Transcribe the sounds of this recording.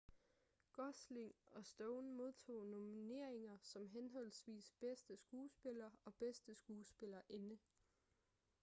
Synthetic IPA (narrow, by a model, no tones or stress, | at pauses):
ɡ̥ɒsleŋɒ̽sd̥ɔʊnmo̝ð̞ˠt͡sʰo̝̰ːno̝mine̝ɐ̰e̝ŋɐsɒ̽mɦenɦɒ̽l̰sʋḭːsb̥esd̥əsɡ̥uːsb̥e̝lɐːɒ̽b̥esd̥əsɡ̥uːsb̥e̝lɐʔe̝nə